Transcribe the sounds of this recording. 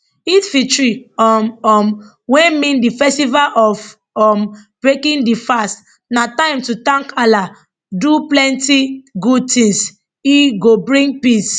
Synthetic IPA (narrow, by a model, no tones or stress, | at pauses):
itfitɹiɔmɔm | wɛ̃mĩndifɛstivalʔɔf | ɔmb̥ɹekĩndifast | natãɪ̃mtutãŋkala | duplɛ̃ntiɡud̚tĩŋs | iɡobɹĩŋɡ̚pis